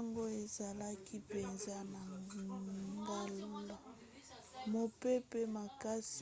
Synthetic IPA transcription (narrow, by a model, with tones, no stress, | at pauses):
ŋɡo˦e˨za˨la˦ki˦pe˨nza˦na˨ŋ˨ | ŋɡa˦lu˦la˨ | mo˨pe˦pe˦ma˨ka˦s